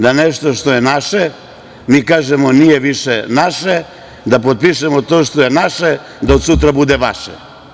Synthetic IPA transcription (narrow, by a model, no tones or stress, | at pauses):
d̪aneʃt̪oʃt̪o̞je̞naʃe | miːkaːʒemonijeʋiʃenaʃe | d̪apot̪̚piʃemot̪oːʃt̪ojenaʃe | d̪aod̪sut̪ɾabud̪eʋaʃḛ